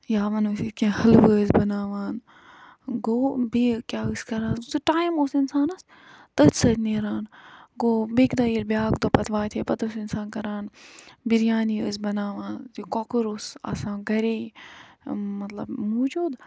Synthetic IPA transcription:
jaːʋɐnusikʲẽhɐlʋɨəzbɐnaːʋaːn | ɡoːbiːkʲaːɨskɐɾaːnsɨʈaːjmoːsinsaːnɐs | t̪əsɐt̪neːɾaːnɡoːbekd̪ɐːiːɾbjaːkd̪opɐt̪ʋaːt̪ʰepɐt̪osinsaːnkɐɾaːnbiɾjaːniəzbɐnaːʋaːnt̪ikokɨɾoːsa̰ːsãːɡɐɾeː | mɐt̪lɐ̰bmoːd͡ʒuːd̪

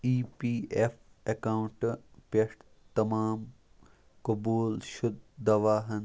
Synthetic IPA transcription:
iːpiːef | ɐkawɳʈpeʂʈ | t̪ɐmaːm | kɐbuːlʃʊd̪̚d̪ɐʋaːɦɐn

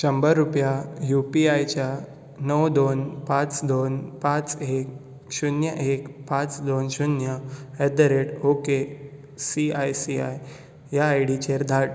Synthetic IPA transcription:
ɕəmbəɾːupjajupiajt͡ɕja | nəwd̪onpãt͡sd̪onpãt͡sek̚ | ɕunjəʔekpãt͡sd̪onɕunjəɛd̪əɾeʈoke | siajsia̰j | jaːjɽit͡ɕeɾd̪ʱaʈ

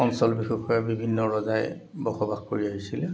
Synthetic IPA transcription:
ɔnsɔlbixukʰɔjabibʱinːɔɹɔzaj | bɔxɔbaxpoɹiaɦisilɛ

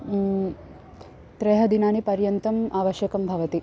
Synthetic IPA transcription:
t̪ɾɛːɦɐd̪inaːnipɐɾjɐnt̪ɐmʔaːʋɐʃjɐkɐmbʱɐʋɐt̪i

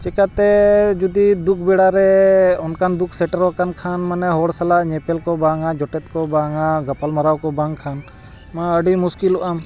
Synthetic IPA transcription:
t͡ʃɛkat̪ɛd͡ʒud̪id̪uk̚ʰbɛɽaɾɛɔnkʰand̪ukʰsɛʈəɾɔkankʰanmanɛɦɔɽsalaʔɲɛpɛlkɔbaŋad͡ʒɔʈɛt̪̚kɔbaŋaɡapalmaɾawkɔbaŋkʰan | maəɖimuskiluʔam

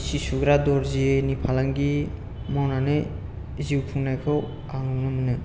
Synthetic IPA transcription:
sisuɡɾadɔɾzienipʰalaŋɡi | mawnanɯ | ziwpʰuŋnajkʰɯw | aŋɯnɯmɯnɯ

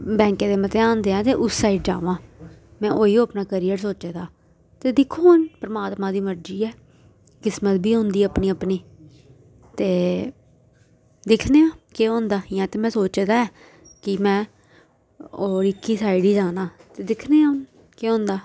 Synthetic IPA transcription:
bɛ̃ːŋkẽːd̪eːmət̪eːãːnd̪eːãːt̪eːʔʊssaːiɖd͡ʒa̰ːʋãː | mɛ̃ːʔoːiːõːəpnaːkəɾiːəɾsoːt͡ʃeːd̪aː | t̪eːd̪ɪkʰoːnpɾəmaːt̪mãːd̪iːməɾd͡ʒiːɛː | kɪsmət̪̚bʱiːɦʊ̃nd̪iːəpniːəpniː | t̪eː | d̪ɪkʰneːãːkeːɦõːnd̪aːjãːt̪eːmɛ̃ːsoːt͡ʃːd̪aːɛː | kɪmɛ̃ː | oːɾɪkːiːsaːɪɖiːd͡ʒaːnãːt̪eːd̪ɪkʰneːãː | keːɦõːnd̪aː

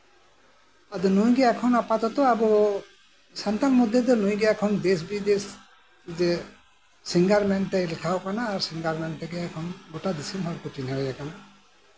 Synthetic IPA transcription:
ad̪ɔnujɡɛakʰɔnapat̪ɔt̪ɔabɔ | sant̪anmud̪ʱjɔd̪ɔnuj̃ɡɛɛkʰɔnd̪es̬bid̪es | d͡ʒɛ | siŋɡaɾmɛnt̪ɛjlɛkʰawkanaːɾsiŋɡaɾmɛnt̪ɛɡɛɛkʰɔnɡɔʈad̪isimɦɔɾkɔt͡ʃinɛɾɛjakana

